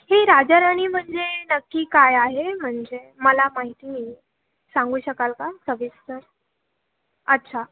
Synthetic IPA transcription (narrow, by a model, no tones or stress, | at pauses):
heɾad͡ʑəɾaɽ̃iːm̤əɳd͡zenəkːiːkajaɦem̤əɳd͡zeməlamaɦit̪i | sãŋɡuːɕəkalkakʰəʋist̪əɾ | ətːɕʰa